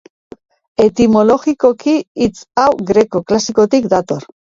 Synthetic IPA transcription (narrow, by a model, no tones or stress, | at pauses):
e̞t̪imo̞lo̞ɣiko̞kiːt͡sawɣɾe̞ko̞klasiko̞t̪ikd̪at̪o̞ɾ